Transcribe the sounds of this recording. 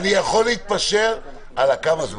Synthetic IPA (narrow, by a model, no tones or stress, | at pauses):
nijaχo̞leit̪̚paʃe̞ʁ | alakamazm